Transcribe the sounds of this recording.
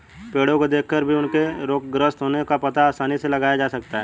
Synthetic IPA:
peːɽõkod̪eːkʰkəɾbʱiʊnkeɾoːk̚ɡɾəst̪ɦoːnekapɐt̪aːsaːniselɐɡaːjad͡ʒaːsɐkt̪aɦɛː

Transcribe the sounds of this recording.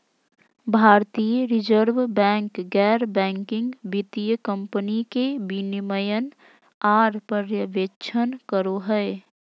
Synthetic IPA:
bʱaɾt̪ijəɾid͡ʒəɾbbɛ̃ŋkɡɛɾbɛ̃ŋkiŋɡbit̪ijəkəmpənikebiniməjən | aɾpəɾjəʋet͡ʃʰənkəɾoɦəɪ

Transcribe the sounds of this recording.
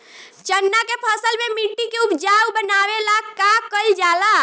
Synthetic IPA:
t͡ʃənːakepʰəsəlmemiʈːikeupd͡ʒawbənawelakakəld͡ʒala

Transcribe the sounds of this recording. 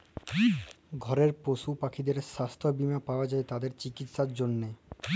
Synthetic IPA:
ɡʱɔɾeɾpoʃupakʰid̪eɾʃast̪ʰobimapaoad͡ʑaet̪ad̪eɾt͡ɕikit̪ʃaɾd͡ʑonːe

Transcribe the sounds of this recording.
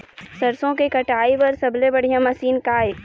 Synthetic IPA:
sɐɾsõkekɐʈaːipɐɾsɐblebɐɽ̤ijãmɐsiːnkaːe

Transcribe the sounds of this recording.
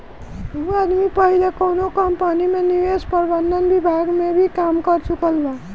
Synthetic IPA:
muad̪mipʌɦilakownokʌmpənimeniʋespəɾbʌnd̪ʌnbibʱaɡmebʱikamkʌɾt͡ʃukəlba

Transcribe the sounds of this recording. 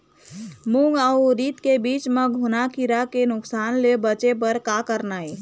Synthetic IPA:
muŋɡauɾit̪kebit͡ʃmeɡʱonakiɾakenʊksanlebət͡ʃep̬əɾkakəɾnaj

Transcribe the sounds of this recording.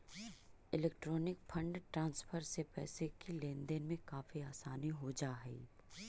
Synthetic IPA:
ɪlɛːk̚ʈɾɔːnɪkpʰɐ̃ɳɖʈɾãːnspʰəɾsepɛ̰ːsekilẽːnd̪enmẽkaːfiaːsaːniɦod͡ʒaːɦɛ̰ː

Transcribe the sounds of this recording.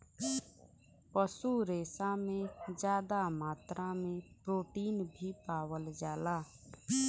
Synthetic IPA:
pəsuɾeːsamẽd͡ʒjaːd̪amaːt̪ɾamẽpɾoːʈiːnbʱipaːwəld͡ʒaːlaː

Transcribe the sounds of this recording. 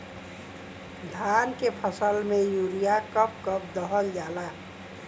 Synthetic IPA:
d̪ʱankepʰəsəlmejuɾijakʌp̚kʌp̚d̪əɦəld͡ʒala

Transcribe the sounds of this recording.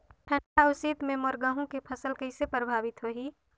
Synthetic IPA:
ʈʰəɖaʊsiːt̪mẽmɔɾɡaːɦõkepʰɐsəlkɐɪsepɾəbʱaːʋɪt̪ɦoɦiː

